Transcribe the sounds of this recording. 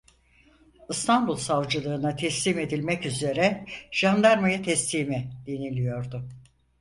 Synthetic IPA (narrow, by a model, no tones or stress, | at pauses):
ɯst̪ʰanbulˠsavd͡ʒɯlˠɯːnat̪ʰɛslʲiːme̞d̪ilʲmɛcyze̞ɾɛʒ̥and̪aɾmajat̪ʰɛslʲiːmid̪̥inilʲijo̞ɾd̪ʊ